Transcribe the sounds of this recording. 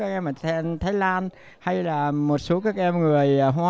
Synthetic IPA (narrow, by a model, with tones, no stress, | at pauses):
aː˦˥kʔɛ˧mːa˨˩ɛ˧nt̪ʰaː˨˦jlaː˧n | ha˧jlaː˨˩mo˨˩t̚so˨˦kaː˨˦˥k̚ʔɛ˧mŋɨ˨˩əjɦwaː˨˦